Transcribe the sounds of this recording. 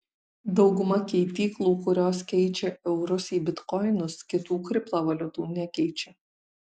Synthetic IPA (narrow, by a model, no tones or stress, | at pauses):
d̪ɒʊɡʊmɐkʲɛɪt̪ʲiːklˠuːkʊɾʲoːskʲɛɪt͡ʃʲɛʔɛʊɾʊsiːbʲɪt̪kɔɪnʊskʲɪt̪uːkɾʲɪplˠoːʋɐlʲʊt̪uːnʲɛkʲɛɪt͡ʃʲɛ